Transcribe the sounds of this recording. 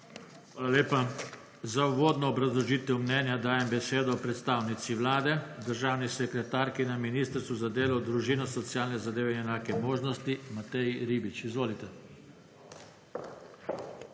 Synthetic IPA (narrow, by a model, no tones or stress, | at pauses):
alaleːpa | zauʋoːd̪nɔːbɾazlɔʒiːt̪ɛwmnɛnjad̪aːjɛmbɛseːd̪ɔːpɾɛt̪st̪aːwnit̪siʋlaːd̪ɛd̪əɾʒaːwnisɛkɾɛt̪aːɾkinaminiːst̪əɾst̪ʋuzad̪eːlɔwd̪ɾuʒinɔsɔt̪sijaːlnɛzad̪eːʋɛinɛnaːkɛmoːʒnɔst̪imat̪ɛjɾiːbit͡ʃizʋoːlit̪ɛ